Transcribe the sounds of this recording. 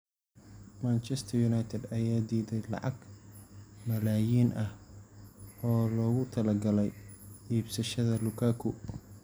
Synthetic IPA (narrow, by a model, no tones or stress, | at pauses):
mant͡ʃɛst̪ʰɐjunajt̪ʰɛd̪ɐjaːd̪iːðɛjlɑ̰ʕɑɡ | mɐlaːjiːnʔɐh | ɔːlɔːɣʊt̪ʰɐlɐɡɐlɛjʔiːbsɐʃɐðɐlʊkʰaːkʰʊ